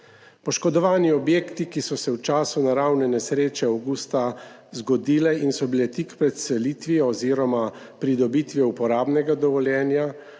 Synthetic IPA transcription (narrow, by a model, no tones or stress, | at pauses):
pɔʃkɔd̪ɔʋaːniɔbjeːkt̪ikisɔsɛwt͡ʃaːsunaɾawnɛnɛsɾeːt͡ʃɛawɡuːst̪a | zɡɔd̪iːlɛinsɔbilɛt̪ikpɾɛt̪sɛliːt̪ʋiɔːziːɾɔma | pɾid̪ɔbit̪ʋjɛupɔɾaːbnɛɡad̪ɔʋɔljɛːnja